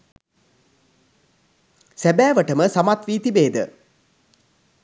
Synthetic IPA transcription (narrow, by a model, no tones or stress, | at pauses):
sæbæːʋəʈəməsamat̪ʋiːt̪ibeːd̪ə̰